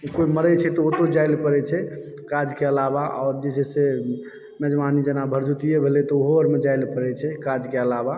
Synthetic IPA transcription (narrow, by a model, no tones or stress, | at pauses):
koiməɾɛt͡ʃʰɛt̪ɔot̪od͡ʒailpəɾɛt͡ʃʰɛ | kad͡ʒkeəlabaɔ̰ːɾd͡ʒesɛse | mɛd͡ʒmanid͡ʒenabʱəɾd͡ʒut̪ijebʱelɛt̪ɔoɦoəɾmed͡ʒailpəɾɛt͡ʃʰɛkad͡ʒkeəlaba